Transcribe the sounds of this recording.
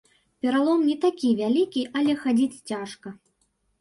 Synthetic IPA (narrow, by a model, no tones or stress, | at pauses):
pʲɛɾalˠɔmnʲɛt̪akʲivʲalʲikʲiʔɐlʲɛxad͡zʲit͡sʲt͡sʲaʂkɐ